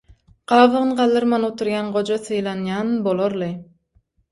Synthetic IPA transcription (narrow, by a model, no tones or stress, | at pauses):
qɑːvɯʁɯnqɑlˠːɯɾmɑnot̪ʰuɾjɑnʁod͡ʒasɯjlˠɑnjɑnbolˠoɾlˠɨ